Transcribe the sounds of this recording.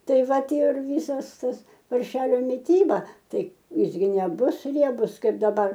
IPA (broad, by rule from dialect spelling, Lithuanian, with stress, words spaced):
ˈtɐɪ ˈʋɐ ˈtʲiɛ ɪr ˈʋʲiːsɐs ˈtɐs pɐrʲˈʃʲæːlʲoː mʲɪˈtʲiːbɐ ˈtɐɪ ˈjɪs ɡʲɪ nʲɛˈbʊs ˈrʲiɛbʊs ˈkɐɪp dɐˈbɐr